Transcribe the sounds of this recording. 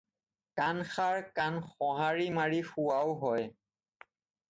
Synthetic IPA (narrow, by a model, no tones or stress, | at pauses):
kanxaɹkanxɔɦaɹimaɹixuwawɦɔj